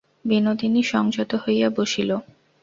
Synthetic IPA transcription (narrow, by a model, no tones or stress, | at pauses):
binod̪iniʃɔŋd͡ʑot̪oɦojjaboʃilo